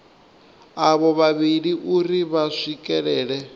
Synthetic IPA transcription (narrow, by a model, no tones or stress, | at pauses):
aβɔβaβiɺiʔuɾiβaʂikʼɛɺɛːɺɛ